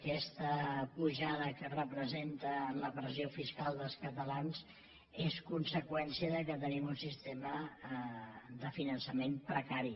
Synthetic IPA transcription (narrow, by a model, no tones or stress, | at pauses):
kɛst̪əpuʒaðəkərəpɾəzent̪əːnləpɾəziofiskalˠd̪əlˠskət̪əlanz | eskunsəkwɛnsiəðəkət̪ənimunsist̪emə | d̪əfinənsəmempɾəkaɾi